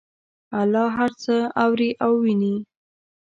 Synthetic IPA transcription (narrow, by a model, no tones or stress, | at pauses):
alɑɦaɾt͡səawɾiʔawːini